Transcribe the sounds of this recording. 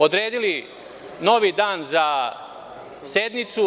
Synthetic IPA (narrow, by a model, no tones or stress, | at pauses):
od̪ɾeːd̪ili | noʋid̪aːnza | sed̪nit̪su